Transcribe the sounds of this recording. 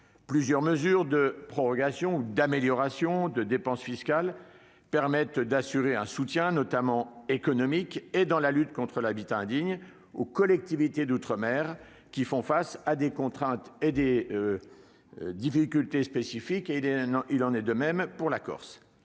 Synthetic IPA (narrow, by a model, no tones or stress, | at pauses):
plyzjœʁməzyʁd̪əpχɔʁɔɡasjɔ̃ud̪ameljɔʁasjɔ̃d̪əd̪epɑ̃sfiskʲal | pɛʁmɛt̪d̪asyʁeɛ̃sut̪jɛ̃nɔt̪amɑ̃ekɔnɔmiked̪ɑ̃lalyt̪kɔ̃t̪χəlabit̪ãɛ̃d̪iɲ | okɔlɛk̚t̪ivit̪ed̪ut̪χəmɛːʁ | kʲifɔ̃fasad̪ekɔ̃t̪χɛ̃t̪ed̪e | d̪ifikʲylt̪espesifikeilɑ̃nɛd̪əmɛmpuʁlakɔ̰ʁs